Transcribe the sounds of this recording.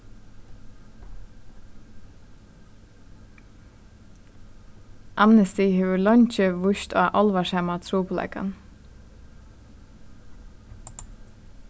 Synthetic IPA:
ʔɑmnɛst̪iheːʋəlɔɲt͡ʃəʋʊʃt̪a̰ːʔɔlʋaʃhɛmat̪ʰɾuːpʰʊlɛ̰ka̰n

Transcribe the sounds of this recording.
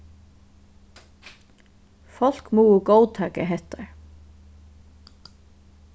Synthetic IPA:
fɔl̥kmuːʊkoːwt̪ʰaːkaɦɛht̪aɹ

